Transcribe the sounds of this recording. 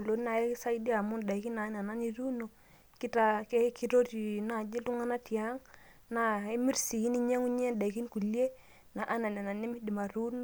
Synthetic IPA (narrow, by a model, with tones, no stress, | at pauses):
lo˨˦na˨e˦sa˦i˦di˦a˨mu˦nda˨i˨ki˦na˨˦n˨a˨na˦ni˦ɾu˦no˨ | ki˦ta˦ke˦ki˦ɾo˦ti˨na˨d͡ʒi˦ltu˦ŋa˦na˦tja˦ŋ | na˨i˦mi˦rsi˨ji˦ni˦ɲe˦ŋu˦ɲe˦nda˨i˨ki˦nku˨lje˦ | na˨ʔa˦na˨n˨a˨na˨ni˦mi˦di˨ma˨ɾu˦n